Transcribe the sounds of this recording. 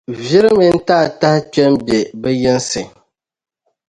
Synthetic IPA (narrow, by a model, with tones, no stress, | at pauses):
vɪ˦ɾɨ˦mi˨n̩˦taː˦˨ta˦ht͡ʃɛ˦mbɛ˨bɛ˦jɛ˦n˦sɨ˨ŋ